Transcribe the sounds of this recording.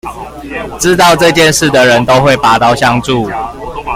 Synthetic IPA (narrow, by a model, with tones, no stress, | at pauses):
ʈ͡ʂɻ̩˦˥t̪ɑ˥˧ʊʈ͡ʂɤ˥˧t͡ɕjɛ˥˧nʂɻ̩˥˩d̪ə˩ɻə˨˦nt̪o˦ʊxwe˥˨ɪpa˨˩t̪ɑ˥˨ʊɕjɑ˥˧ŋt͡su˥˨